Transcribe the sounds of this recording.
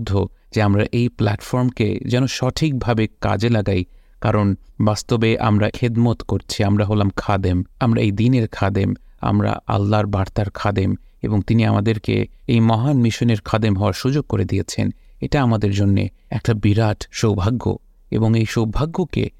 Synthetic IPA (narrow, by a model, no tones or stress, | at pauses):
d̪ʱːo | d͡ʑeamɾaʔejplɛʈfɔɾmkḛd͡ʑɛnoʃɔʈʰik̚bʱabeka̰d͡ʑelaɡaj | kaɾonbast̪obeʔa̰mɾaxid̪mot̪koɾt͡ɕʰiamɾaɦolamkʰad̪emamɾaejd̪ineɾkʰad̪em | a̰mɾa̰ʔa̰lːaɾbaɾt̪aɾkʰad̪em | eboŋt̪iniamad̪eɾkḛejmɔɦanmiʃoneɾkʰad̪emɦɔoaɾʃud͡ʑoɡ̚koɾed̪ijet͡ɕʰḛneʈaamad̪eɾd͡ʑonːḛ | ɛk̚ʈabiɾaʈʃowbʱaɡːo̰ | ḛboŋejʃowbʱaɡːokḛ